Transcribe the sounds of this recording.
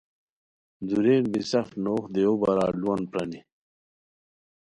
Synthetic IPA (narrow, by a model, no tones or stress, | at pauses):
d̪uɾeːnbisɐfnoːxd̪eobɐɾaːluwɐnpɾɐni